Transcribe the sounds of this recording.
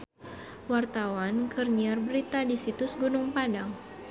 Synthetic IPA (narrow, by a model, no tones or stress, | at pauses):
wart̪awankərɲiarbəɾit̪adisit̪ʊsɡunʊŋpadaŋ